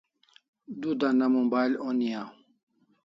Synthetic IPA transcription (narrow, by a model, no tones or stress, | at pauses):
dud̪anamɔmbalɔnija